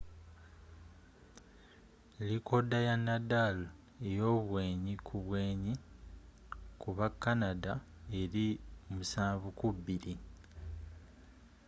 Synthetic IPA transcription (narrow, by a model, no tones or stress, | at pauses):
liko̞dajanːadal | e̞jo̞ːβwe̞ːɲikʰuβwe̞ːɲi | kuβakːanada | e̞ɾimusaːɱvukuβːiɾi